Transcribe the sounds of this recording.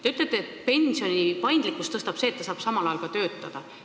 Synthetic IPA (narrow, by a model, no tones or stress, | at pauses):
t̪e̞yt̪let̪ːˑeet̪pe̞nʲsio̞nipɑjnd̪likːˑust̪ɤst̪ɑb̥se̞ːt̪ːɑsɑːb̥sɑmɑlɑjɑlkɑt̪ø̞ːt̪ːˑɑd̪̥ɑ